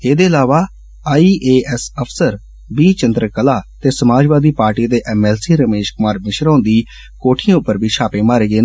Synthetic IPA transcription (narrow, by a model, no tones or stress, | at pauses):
eːd̪eːəlaːʋaː | aːiːʔeːɛsəpʰsəɾ | biːt͡ʃənd̪ɾəkəlaːt̪eːsəmaːd͡ʒʋaːd̪iːpaːɾʈiːd̪eːʔɛːmɛːlsiːɾəmeːʃkʊmaːɾmɪʃɾãːnd̪iː | koːʈʰiãːʊpːəɾbʱiːʃʰaːpeːmaːɾeːɡeːn